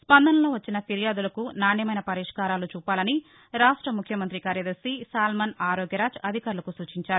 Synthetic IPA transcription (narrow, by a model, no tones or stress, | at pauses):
spɐnd̪ʱɐnɐloːʋɐt͡ʃːinɐpiɾijaːd̪ulɐkunaːɳjɐmɐjnɐpɐɾiʂkaːɾaːlut͡ʃuːpaːlɐni | ɾaːʂʈɾɐmukʰjɐmɐnt̪ɾikaːɾjɐd̪ɐɾsisaːlmɐnaːɾoːɡjɐɾaːd͡ʒɐd̪ʱikaːɾulɐkusuːt͡ʃiɲt͡ʃaːɾu